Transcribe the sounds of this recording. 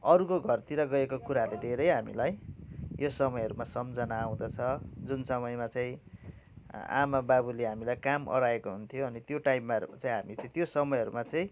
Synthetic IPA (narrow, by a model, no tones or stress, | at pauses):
ʌɾukoɡʱʌrt̪iɾʌɡʌekokuɾaled̪ʱeɾʌjɦamḭlajjosʌmʌjʌɾumasʌmd͡zʌnaːw̃d̪ʌt͡sʰʌd͡zunsʌmʌjmat͡saĩ | a̰mababuleɦamilajkamʌ̰ɽaekoɦunt̪ʰijoʌnit̪joʈajpmat͡saĩɦamit͡saĩt̪josʌmʌjɦʌɾumat͡saĩ